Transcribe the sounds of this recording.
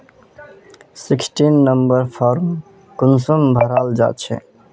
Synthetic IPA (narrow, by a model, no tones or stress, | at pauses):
sɪksʈinːəmbəɾpʰɔɾm | kʊnsumbʱəɾaːld͡ʒa̰ːt̪t͡ʃʰɛ̰